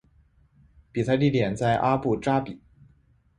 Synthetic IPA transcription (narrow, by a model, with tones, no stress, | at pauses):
pi˨˩sa˥˧i˥˩ljɛ˨˩nt͡sa˥˩ɪʔa˥pu˥˩ʈ͡ʂa˥pi˨˩˦